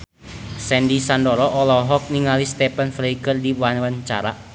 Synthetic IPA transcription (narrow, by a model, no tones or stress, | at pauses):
sɛndisandɔɾɔʔɔlɔɦɔk̚niŋalist̪ɛpanfleikərdiwanwaɲt͡ʃa̰ɾa̰